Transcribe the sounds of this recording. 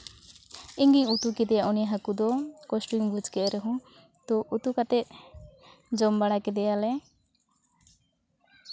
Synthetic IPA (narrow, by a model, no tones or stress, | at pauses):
iŋɡiɲut̪ukɛd̪ɛjaʔunijaɦakud̪ɔkɔsʈuŋbud͡ʒkɛʔɾɛɦɔ̃ | t̪ɔʔut̪ukat̪ɛt̪̚ | d͡ʒɔmbaɽakɛd̪ɛjalɛ